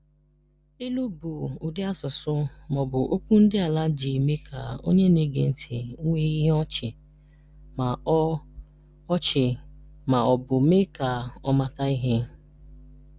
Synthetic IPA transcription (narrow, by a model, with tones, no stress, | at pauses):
i˦lu˦bʊ˨ʊ˨dɪ˦a˦sʊ˨sʊ˦mɔ˨bʊ˨ʔo˦kʷu˦n̩˦dɪ˦a˨la˦d͡ʒi˨me˦kʰa˨o̰˦ɲe˦ne˦ɡḛ˨n̩˨tʰi˨˦ŋʷe˦i˦ɦe˦ɔ˦t͡ʃɪ˨ | ma˨˦ | ɔ˦t͡ʃɪ˨ | ma˨ɔ˨bʊ˨me˦ka˨ɔ˦ma˦ta˦i˦ɦe˦